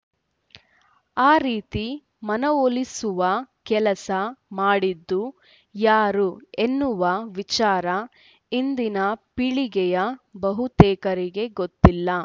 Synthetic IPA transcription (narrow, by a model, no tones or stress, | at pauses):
aːɾiːt̪i | mɐnɐolisuʋɐkɛlɐsɐmaːɽid̪ːu | jaːɾuenːuʋɐʋit͡ʃaːɾɐ | ind̪inɐpiɭiɡɛjɐbɐɦut̪ɛːkɐɾiɡe̞ɡot̪ːilːɐ